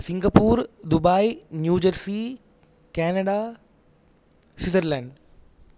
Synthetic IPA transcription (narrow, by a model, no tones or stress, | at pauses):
sɪ̃ŋɡəpuːɾd̪ʊbaːinjuːd͡ʑəɾsi | kɛːnəɖa | sɪt̪əɾlɛ̃ːɳɖ